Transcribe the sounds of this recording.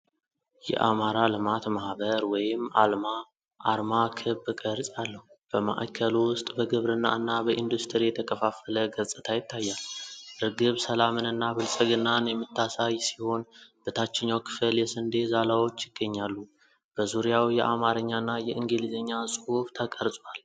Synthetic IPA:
jɛ̰ʔamaɾalɨmat̪mahbəɾwɔjɪmalma | ʔaɾmakʰɨbɡʼəɾsʼalːəhu | b̥əma̰ʔa̰kʰːəlwʊst̪ʼbəɡɨβɾɨnːa̰ɨnːabəʔind̪ust̪ʰɨɾjɛt̪ʰəkʰʼəfafːələɡəsʼɨt̪ʰajɪt̪ʰːajːalɾɨɡɨβsəlamɨnɨnːabɨlsʼəɡɨnːanjɛmːɨt̪ʰːasajsiho̞nb̥ɨt̪ʰat͡ʃːɛɲːawkʰɨ̥fəljɛsɨnd̪e̞zalawo̞t͡ʃːjɪɡ̥ːəɲːalːu | b̥əzuɾijawjɛ̰ʔamaɾəɲːanːajɛʔɨŋɡilizəɲːasʼɨhuft̪ʰəkʼəɾsʼwal

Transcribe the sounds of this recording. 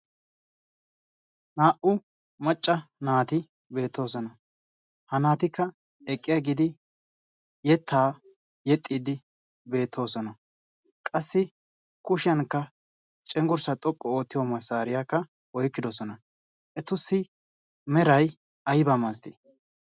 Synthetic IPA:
naːʔʊ | mɐt͡ʃʼːɐnaːt̪ɪ | be̞ːt̪ʰːo̞ːsɔnɐ | hɐnaːt̪ɪkːɐ | ɛkʼːɪjaɡɪd̪ɪ | jɛt̪ːaː | jɛt̪ʼːiːd̪ɪ | be̞ːt̪ʰːo̞ːsɔnɐ | kʼɐsːɪ | kʊʃɪjɐnkːɐ | t͡ʃʼɛŋɡʊɾsɐt̪ʼɔkʼːɔo̞ːt̪ːɪjomɐsːaːɾɪjakːɐ | wɔjkːɪd̪ɔsɔnɐ | ʔɛt̪ʊsːɪ | mɛɾɐj | ɐjbɐmɐs̬t̪ɪ̰

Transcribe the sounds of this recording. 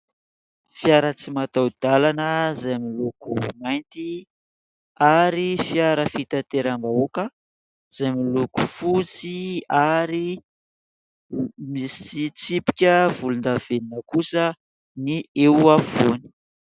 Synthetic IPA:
fijaɾət͡simat̪awd̪̥alanəzajmilukumajnt̪i | aɾifiaɾəfit̪at̪eɾambaokə | z̥ajmiluku̥fut͡siaɾi | misi̥t͡sit͡sipi̥kʲəv̥ulund̪av̥eninəkusə | niewafoni̥

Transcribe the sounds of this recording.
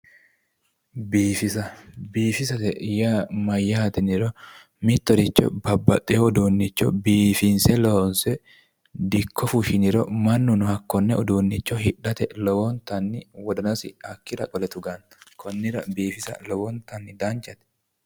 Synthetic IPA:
biːfɪsɐbiːfɪsɐt̪ɛjamɐjːɐhɐt̪ɛnɪɾɔ | mɪt̪ːɔd̪ɪt͡ʃːɔ̰bɐbːɐt̪ʼːɛɔd̪uːnːɪt͡ʃːɔbiːfɪnsɛlɔhɔnsɛ | d̪ɪkʰːɔfuʃɪnɪɾɔmɐnːʊnʊhɐkːɔnːɛɔd̪uːnːɪt͡ʃːɔhɪᶑɐt̪ɛlɔwɔnt̪ɐnːɪwɔd̪ɔnɐsɪ̰ɐkːɪɾɐ̰kʼɔlɛt̪ʊɡɐn | kʰɔnːɪɾɐbiːfɪsɐ̰lɔwɔnt̪ɐnːɪd̪ɐnt͡ʃːɐt̪ɛ̥

